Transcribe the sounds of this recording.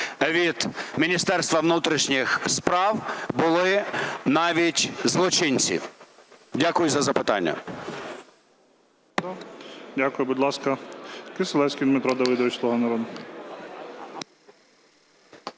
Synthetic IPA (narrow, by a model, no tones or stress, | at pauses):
ʋʲid̪mʲinʲist̪ɛrst̪ʋɐʋnut̪ɾʲiʃnʲixspɾɑwbʊlˠɪnɑʋʲitʲzlˠɔt͡ʃɪnʲt͡sʲḭ | dʲakʊjʊzɐzɐpɪt̪ɑ̰nʲːɐ̰ | d̪adʲakʊjʊbud̪ʲlˠɑskɐkɪselˠɛsʲkʲijd̪mɪt̪ɾɔd̪ɐʋɪd̪ɐʋɪt͡ʃʲlˠɔɦɔnɐɾɔd̪ʊ